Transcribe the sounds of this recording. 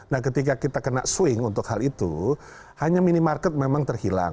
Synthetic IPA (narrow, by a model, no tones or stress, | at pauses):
nahkət̪ik̬akit̪akənaʔsuɪŋunt̪ʊkhalit̪ṵ | haɲaminimarkət̪̚memaŋt̪ərhila̰ŋ